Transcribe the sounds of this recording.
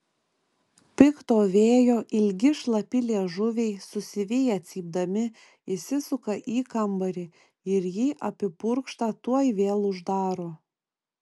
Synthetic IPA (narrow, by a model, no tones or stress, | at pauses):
pʲɪkt̪oːʋʲeːjoːʔɪlʲɡʲɪʃlˠɐpʲɪlʲieɛʒʊʋʲɛɪsʊsʲɪʋʲeːjɛt̪sʲiːb̚d̪ɐmʲɪ | ɪsʲɪsʊkɐʔiːkɐmbɐɾʲɪ | ɪɾjiːʔɐpʲɪpʊɾkʃt̪ɑt̪uɔjʋʲeːlˠʊʒd̪ɑːɾoː